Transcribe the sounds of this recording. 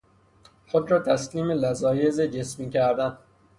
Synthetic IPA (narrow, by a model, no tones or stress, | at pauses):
xod̪ɾɒːt̪ʰæsliːmelæzɒːjezed͡ʒe̞smiːcʰæɾd̪æn